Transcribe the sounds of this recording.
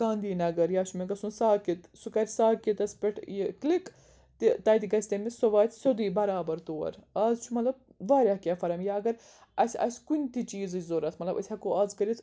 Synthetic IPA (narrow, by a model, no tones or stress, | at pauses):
ɡ̥ãːnd̪iːnɐɡɐɾjaːt͡ʃʰumeɡɐsunsaːkit̪sukɐɾʲsaːkit̪ɐsʲpʲiʈʰjiklik | t̪it̪ɐːjt̪ʲiɡɐsʲt̪emisɐʋaːt̪ʲʰsɐd̪iːbɐɾaːbɐɾt̪oːɐ̰ɾɐːzt͡ʃʰumɐt̪lɐb̚ | ʋaːɾʲaɦkʲaːfɐɾɐmjaɐɡɐɾ | ɐsʲɐ̰sʲkunʲt̪it͡ʃiːzɨt͡ʃʲzoɾɐt̪ʰmɐt̪lɐbɐsʲʰɐkoɐːzkɐɾit̪ʰ